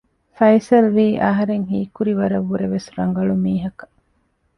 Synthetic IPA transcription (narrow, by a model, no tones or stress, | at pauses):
fɐjsɐlʋiːʔɐɦɐɾeŋɦiːkuɾiʋɐɾɐʋːuɾeʋesɾɐŋɡɐɭumiːɦɐkɐ̥